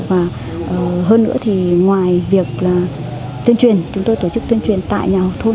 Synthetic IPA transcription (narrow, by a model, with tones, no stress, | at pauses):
vaː˨˩ | ʔəː˨˩ɦəː˧nːɨ̰˧˥ət̪ʰi˨˩ŋwaː˨˩jvi˨˩ək̚laː˨˩ | t̪i˧ənt͡ɕwi˨˩ənt͡ɕʊ˨˦ŋ͡mt̪o˧jt̪o˧˩t͡ɕɨ˦˥k̚t̪i˧ənt͡ɕwi˨˩ənt̪a̰ː˧˨jɲaː˨˩ə˨˩wt̪ʰo˧